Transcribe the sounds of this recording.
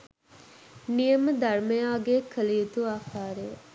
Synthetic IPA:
nijɐməd̪ɐrmejaːɡekʰəlijit̪uaːkaːɾej

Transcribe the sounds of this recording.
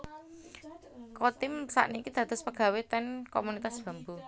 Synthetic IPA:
kɔt̪ɪmsa̰ʔnikid̪̥ä̤t̪ʊ̤spəɡ̥a̤wet̪ɛnkomunit̪asb̥a̤mbu

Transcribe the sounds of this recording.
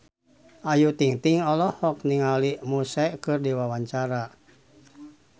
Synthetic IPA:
ʔajut̪iŋt̪iŋɔlɔhɔk̚niŋalimusɛkɨrdiwawaɲt͡ʃaɾa

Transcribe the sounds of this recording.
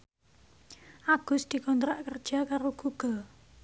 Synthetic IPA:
ʔaɡ̥ʊ̤sd̪̥i̤kɔnt̪ɾaʔkərd̥ʒ̥a̤kaɾoɡ̥uɡ̥ɔ

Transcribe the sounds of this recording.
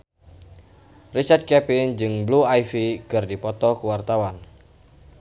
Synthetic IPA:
risat̪̚kɛpɪnd͡ʒɨŋbluajfikɨrdipɔt̪ɔkuwart̪awan

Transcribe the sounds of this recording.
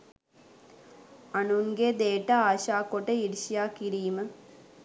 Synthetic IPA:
ɐɳunɡed̪eːʈːɐaːɕaːkːoʈːeiɾiɕijaːkːiɾiːmɐ

